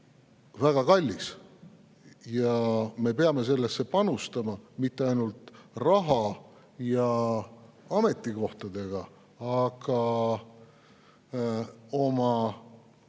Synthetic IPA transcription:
væɡ̥ɑkɑlʲːis | jɑme̞peɑme̞se̞lːe̞sːe̞pɑnust̪ɑmɑmit̪ːeɑjnult̪rɑɦɑ | jɑ | ɑme̞t̪ˑːiko̞ht̪ɑd̪̥e̞ɡ̥ɑ | ɑɡ̥ɑ | o̞mɑ

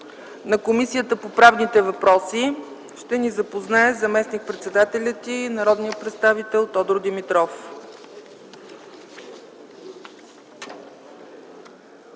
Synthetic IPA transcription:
nɐkomisijət̪əpopɾavnit̪ɛvɐpɾɔsi | ʃt̪ɛnizɐpoznaɛzɐmɛsnik̚pɾɛt̪sɛd̪at̪ɛlʲət̪inɐɾɔd̪nijəpɾɛt̪st̪avit̪ɛlˠt̪ɔd̪ɾʊd̪imit̪ɾɔf

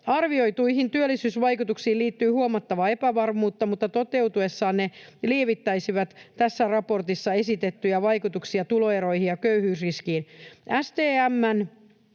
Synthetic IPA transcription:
ɑrʋiojt̪uihint̪yølːisyːsʋɑjkut̪uksiːlliːt̪ːyːhuomɑt̪ːɑʋɑe̞pæʋɑrmuːt̪ːɑmut̪ːɑt̪o̞t̪e̞wt̪ue̞sːɑːnneliːʋit̪ːæjsiʋæt̪t̪æsːærɑpo̞rt̪isːɑe̞sit̪et̪ːyjæʋɑjkut̪uksiɑt̪ulo̞eɾo̞ihijɑkøyhyːsriskiːnʔæst̪eːæmːæn

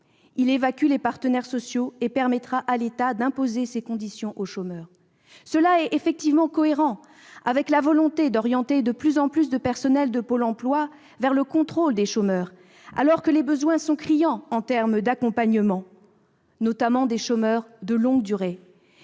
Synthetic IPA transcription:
ilevakʲylepaʁt̪ənɛʁsɔsjoepɛʁmɛt̪χaʔalet̪ad̪ɛ̃pozesekɔ̃d̪isjɔ̃ʔoʃomœːʁ | səlaɛefɛk̚t̪ivmɑ̃kɔeʁɑ̃ | a̰vɛklavɔlɔ̃t̪ed̪ɔʁjɑ̃t̪ed̪əplyzɑ̃plys̬d̪əpɛʁsɔnɛld̪əpolɑ̃plwa | vɛʁləkɔ̃t̪χold̪eʃomœːʁ | a̰lɔʁkəlebəzwɛ̃sɔ̃kχijɑ̃ɑ̃t̪ɛʁmd̪akɔ̃paɲəmɑ̃ | nɔt̪amɑ̃d̪eʃomœʁd̪əlɔ̃ɡd̪yʁe

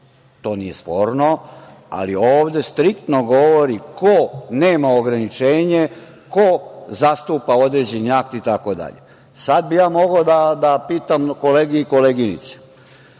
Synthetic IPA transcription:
t̪o̞ːnije̞spo̞ːɾnoa̰lioːʋd̪je̞st̪ɾikt̪noɡo̞ʋoɾikʰoneːmao̞ɡɾanit͡ʃeːɲe | kozast̪uːpao̞d̪ɾeːd͡ʑeniak̚t̪it̪akod̪a̰ʎḛ | sad̪̚bijaːmo̞ɡod̪ad̪apiːt̪amko̞leːɡiiko̞leɡinḭt̪se̥

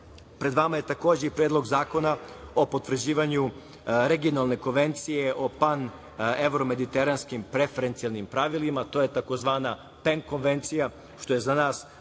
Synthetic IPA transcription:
pɾe̞d̪ʋamaje̞t̪ako̞ːd͡ʑeipɾe̞ːd̪lˠo̞ɡzaːko̞nao̞po̞t̪ʋr̩d͡ʑiːʋaɲu | ɾeɡio̞nalˠne̞ko̞nʋe̞nt̪sije̞ʔo̞pan | e̞ʋɾome̞d̪it̪eɾanskimpɾe̞feɾent̪sijalˠnimpɾaʋilimat̪o̞je̞t̪ako̞zʋaːna | peŋko̞nʋe̞nt̪sija | ʃt̪o̞jezanaːs

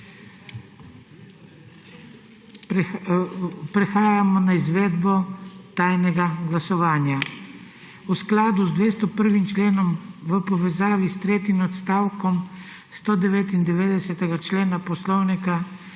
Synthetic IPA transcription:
pɾɛxaːjamɔnaizʋeːd̪bɔt̪ajnɛɡaɡlasɔʋaːnja | usklaːd̪uzd̪ʋeːst̪ɔpəɾʋimt͡ʃleːnɔmʋəpɔʋɛzaːʋist̪ɾeːt̪imɔt̪st̪aːwkɔm | st̪oːd̪ɛʋeːt̪ind̪ɛʋeːd̪ɛsɛt̪ɛɡat͡ʃleːnapɔslɔwnika

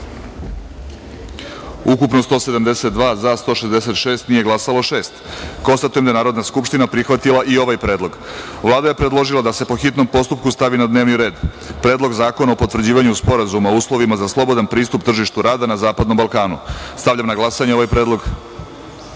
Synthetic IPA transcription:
ukupnost̪o̞ːse̞d̪amd̪e̞set̪̚d̪ʋaːzast̪o̞ʃezd̪ese̞t̪ʃe̞ːst̪nijeɡlasalˠoʃe̞ːst̪ko̞nst̪at̪ujemd̪ajenaːɾo̞d̪naskupʃt̪inapɾixʋat̪ilˠaʔio̞ʋajpɾe̞ːd̪lˠo̞ɡ | ʋlˠaːd̪aje̞pɾed̪lˠoʒilˠad̪ase̞po̞xit̪no̞mpo̞st̪up̚kust̪aʋinad̪ne̞ːʋniɾe̞ːd̪ | pɾe̞ːd̪lo̞ɡzaːko̞naopo̞t̪ʋr̩d͡ʑiːʋaɲuspo̞ɾazumauːslˠo̞ʋimazaslˠo̞bo̞d̪anpɾiːst̪upt̪r̩ʒiʃt̪uɾaːd̪anazaːpad̪no̞mbalˠkaːnṵst̪aʋʎamnaɡlˠasaɲeo̞ʋajpɾe̞ːd̪lˠo̞ɡ

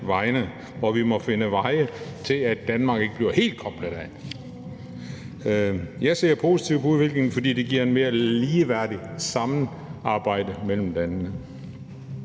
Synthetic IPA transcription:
ʋɑ̈ɪnə | ʋɒʋimɒ̽fe̝nəʋɑ̈ɪət͡sʰe̝læd̥ænmɑ̈ːɡ̥e̝ɡ̥əbliɐhe̝̰ːld̥̚kʰɒ̽b̥ləðˠæ | jɑ̈ɪse̝ɐpʰo̝si̥t͡sʰiʊ̰pʰɒ̽uðˠʋe̝ɡ̥le̝ŋn̩fɒ̽d̥ḭːd̥e̝ɡiɐe̝nme̝ːɐliːʋæɐd̥isɑ̈mn̩ | ɑ̈ːb̥ɑ̈ɪ̰d̥əmel̰m̩d̥ænnə

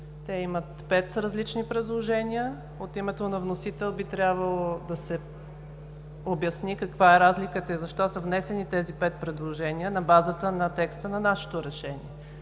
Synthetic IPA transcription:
t̪ɛimət̪pɛt̪ɾɐzlit͡ʃnipɾɛd̪lˠoʒɛniə | ot̪imɛt̪onɐvnosit̪ɛlˠbit̪ɾʲjabvəlˠod̪ɐsɛ | objɐsnikɐkvaɛɾazlikət̪əizɐʃt̪ɔsəvnɛsɛnit̪ɛzipɛt̪̚pɾɛd̪lˠoʒɛniənɐbazət̪ənɐt̪ɛkst̪ənɐnaʃɛ̥t̪oɾɛʃɛnḭɛ

